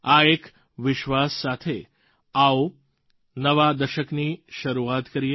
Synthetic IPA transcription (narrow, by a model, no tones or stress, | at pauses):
aek | ʋɪʃʋasːat̪ʰe | ao | nəʋad̪əʃəkniʃəɾuat̪kəɾie